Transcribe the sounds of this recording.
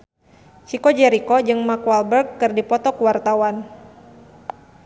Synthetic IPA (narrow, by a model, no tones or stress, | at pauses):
t͡ʃikɔd͡ʒɛɾikɔd͡ʒɨŋmakwalbɛrɡːɨrdipɔt̪ɔkuwart̪awan